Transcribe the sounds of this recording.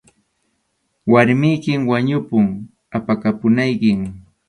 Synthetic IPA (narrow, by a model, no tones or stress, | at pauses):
waɾmɪjkɪmwaɲʊpʊŋ | apakapʊnajkɪŋ